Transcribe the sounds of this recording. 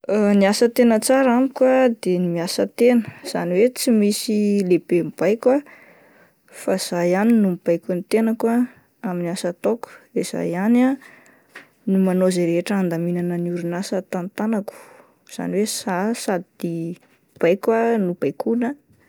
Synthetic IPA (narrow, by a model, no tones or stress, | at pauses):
niasət̪enət͡saɾamikwad̪enimiasət̪enəz̥a̰niwet͡simisilebemib̥ajkwa | faiz̥ajaninumb̥ajkunit̪enəkwa | aminiasat̪ɔku̥d̪ez̥a̰jana | numanozeɾeɦeʈ͡ʂəand̪aminanəniuɾunasət̪ant̪anaku̥ | z̥a̰niwesasad̪id̪̥i | b̥ajkwanub̥ajkunə